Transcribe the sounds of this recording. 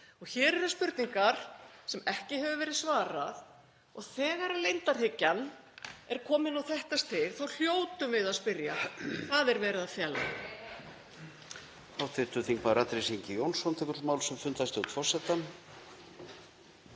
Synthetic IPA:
ɔɣçɛːɾɛɾaspʏɾt̪niŋkaɾ̥sɛmɛhcɪɦɛvʏvɛːɾɪðsvaːɾað | ɔɣθɛːɣaɾalejnt̪aɾ̥hɪcːanː | ɛɾ̥kʰɔːmɪnawθɛht̪ast̪ʰɪɣθawl̥joːwt̪ʏmvɪðaðspɪɾjakvaðɛɾvɛːɾɪðafjɛla̰ | awt̪ʰvɪt̪ʏθiŋkvaɾat̪ɾɪsiɲcɪjownsɔnt̪ʰɛkʏɾ̥smaːwlsɛmfʏnt̪ast̪ɪut̪ʰɔsɛt̪an

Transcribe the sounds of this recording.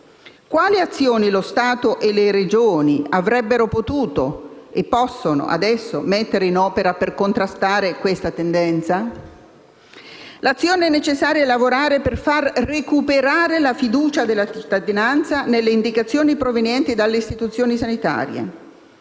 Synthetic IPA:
kwaːliat̪sːjoːnilost̪aːt̪oʔeleɾed͡ʒoːniavɾɛbːeɾopot̪uːt̪oepːɔsːono̰ʔa̰d̪ɛsːomet̪ːeɾeinɔːpeɾaperkont̪ɾast̪aːɾekwest̪at̪end̪ɛnt̪sa | lat̪sːjoːneɛnːet͡ʃesːaːɾjalavoɾaːɾeperfarːekupeɾaːɾelafid̪uːt͡ʃad̪elːat͡ʃit̪ːad̪inant̪sanelːeind̪ikat̪sːjoːnipɾovenjɛnt̪id̪alːeist̪it̪ut̪sːjoːnisanit̪a̰ːɾjḛ

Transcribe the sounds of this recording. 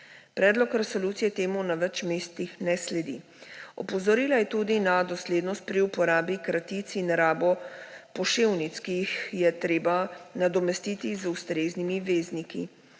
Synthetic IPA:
pɾɛːd̪lɔkɾɛsɔluːt̪sijɛt̪eːmunaʋɛt͡ʃmeːst̪ixnɛslɛd̪ḭ | ɔ̰pɔzɔɾiːlajɛt̪uːd̪inad̪ɔsleːd̪nɔst̪̚pɾiupɔɾaːbikɾat̪it̪sinaɾaːbɔpɔʃeːwnit̪skijixjɛt̪ɾeːbanad̪ɔmɛst̪it̪izust̪ɾeːznimiʋeːznikḭ

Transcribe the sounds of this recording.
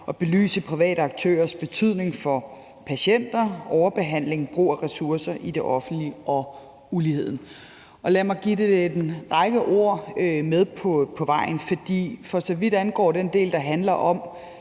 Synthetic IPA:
ʔɒ̽b̥e̝ly̰ːsəpʰʁiʋɛ̰ːɾəɑ̈ɡ̥̚t͡sʰø̰ːɐsb̥e̝t͡sʰyð̞̰ˠne̝ŋfɒ̽ | pʰæɕen̰d̥ɐɒʊɐb̥e̝ɦæn̰le̝ŋb̥ʁṵːɒʁɛsuɐsɐʔid̥e̝ʔɒ̽fn̩d̥liɒ̽ | ulihe̝ð̰ˠn̩ | ʔɒ̽læmɑ̈ɪɡ̥id̥ed̥e̥nʁɑ̈ɪɡ̥əʔo̝ɐ̰með̞ˠpʰɒpʰɒ̽ʋɑ̈ɪ̰n̩fɒ̽d̥ḭːfɒ̽sɒ̽ʋid̥ænɡ̥ɒ̰ːd̥end̥e̝̰ːld̥ɑ̈ɦænlɐʔɒ̽m

